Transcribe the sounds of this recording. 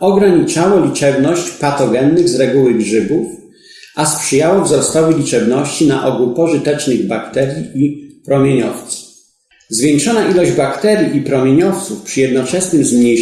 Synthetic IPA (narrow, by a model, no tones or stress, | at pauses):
ʔɔɡɾaɲit͡ʂawɔlʲit͡ʂɛbnɔɕt͡ɕpat̪ɔɡɛnːɘɣzɾɛɡuwɘɡʐɘbuf | ʔaspʂɘjawɔvzɔst̪ɔvɘlʲit͡ʂɛbnɔɕt͡ɕina̰ʔɔɡupɔʐɘt̪ɛt͡ʂnɘɣbakt̪ɛɾʲjiʔipɾɔmʲjeɲɔft̪sɨ̥ | zvʲjɛŋkʂɔnaʔilɔʑd͡ʑbakt̪ɛɾʲjiʔipɾɔmʲjeɲɔft̪sufpʂɘjɛd̪nɔt͡ʂɛsnɘmzmɲej